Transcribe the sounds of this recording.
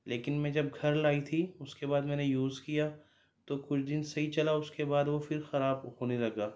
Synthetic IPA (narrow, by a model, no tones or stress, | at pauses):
leːkɪnmɛ̃ːd͡ʒɐb̚ɡʱɐɾlaːit̪ʰiʊskebaːd̪mɛ̃ːnejuːzkijaː | t̪okʊt͡ʃʰd̪ɪnsɐɦit͡ʃɐlaʊskebaːd̪ʋofɪɾxɐɾaːbhoːnelɐɡaː